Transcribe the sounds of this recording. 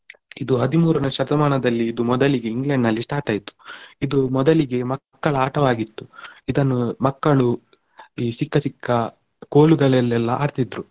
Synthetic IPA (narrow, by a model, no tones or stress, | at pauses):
id̪uɦɐd̪imuːɾɐnɐʃɐɾd̪ɐmaːɳɐd̪ɐlːiːd̪umɔd̪ɐliɡe̞iŋɡlɛɳɖnɐlːisʈaːɾʈaːjit̪u̥id̪umɔd̪ɐliɡe̞mɐkːɐɭɐaːʈɐʋaːɡit̪ːuid̪ɐnːumɐkːɐɭu | iːsikːɐsikʰːɐ | koːluɡɐɭɛlːɛlːɐʔa̰ːɾt̪id̪ɾu